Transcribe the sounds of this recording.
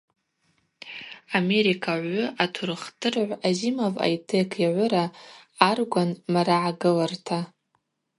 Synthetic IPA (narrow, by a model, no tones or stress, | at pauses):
ame̞ɾikʰaʕʷʊatʰurɨχtʰʼɨrʕʷazimova̰jtʰekʰaʕʷʊɾaː | rɡʷanmaɾaʕaɡɨlartʰa